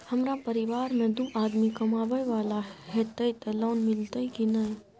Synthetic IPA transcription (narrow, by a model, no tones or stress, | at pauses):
hɐmɾapəɾɪʋaːɾmẽd̪uʔaːd̪mikɐmaːʋəjʋaːlaɦɛt̪ɐjt̪əloːnmɪlt̪əikinɐj